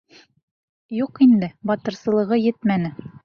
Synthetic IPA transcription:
juqind̪ɘbɒt̪ɤ̆ɾsɤ̆lˠɤ̆ʁɤjɘt̪mænɘ

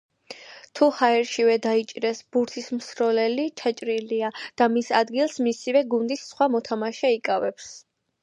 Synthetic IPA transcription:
t̪ʰuhaɛɾʃivɛd̪ait͡ʃʼɾɛsb̥uɾt̪ʰismsɾɔlɛlit͡ʃʰat͡ʃʼɾiliad̪̥amisad̪ɡilˠsmisivɛɡund̪isːχwamɔt̪ʰamaʃɛikʼavɛps

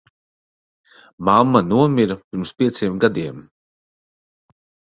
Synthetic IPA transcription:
mamːanuɔmʲiɾɐpiɾmspʲiɛt̪sʲiɛmɡad̪iɛm

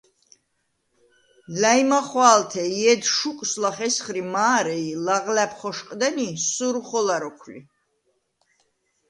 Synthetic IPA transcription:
lajmaχwaːlt̪ʰɛiɛd̪ʃukʼslaχɛsχɾimaːɾɛilaʁlɛpʰχɔʃqʼd̪ɛnisuɾuχɔlaɾɔkʰlḭ

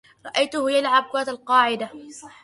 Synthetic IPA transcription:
ɾˤɑʔajt̪ʊhʊjalʕab̚kʊaːt̪alqɑːʕɪd̪a

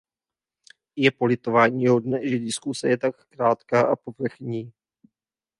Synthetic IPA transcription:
jɛpo̞lɪt̪o̞vaːɲiːɦo̞dnɛʒɛdɪskusɛjɛt̪akːɾaːt̪kaːʔapo̞vr̩xɲiː

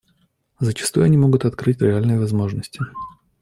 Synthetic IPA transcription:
zət͡ɕɪ̥st̪ujʊɐnʲimo̞ɡʊt̪ɐt̪kɾɨtʲɾʲɪalʲnɨjəvɐzmo̞ʐnəsʲtʲɪ

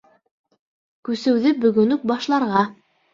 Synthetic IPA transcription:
kʉsɘ̆wðɘbɵ̆ɡɵ̆nɵk̚bɑʃlˠɑɾʁɑ

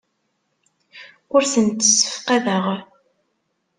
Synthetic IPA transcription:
ʊɾsənt̪ːə̥sːə̥fqaðəʁ

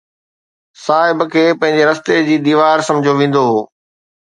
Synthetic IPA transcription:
saːɦɪbkʰeːpɐ̃ɦɪ̃ɲ̆d͡ʑeɾɐst̪ed͡ʑiːd̪iːʋaːɾsɐ̃md͡ʑʱoʋẽːn̆d̪oɦoː

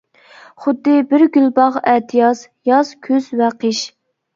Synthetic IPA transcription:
χʊd̪ːɨbɪɾɡʲylbɑʁɛt̪ʰijɑs | jɑz̥kʲʰøzwɛqʰəʃ

